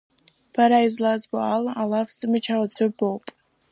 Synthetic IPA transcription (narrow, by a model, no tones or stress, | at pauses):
b̥aɾaizlad͡zboalalafzɨmɨt͡ʃʰawatʰʷʊbowpʼ